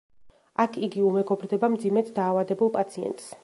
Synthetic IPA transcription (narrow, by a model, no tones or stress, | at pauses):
akʰiɡiumɛɡɔbɾd̪ɛbamd̪zimɛt̪ʰd̪aːvad̪ɛbulˠpʼat̪sʰiɛ̰nt̪ʼs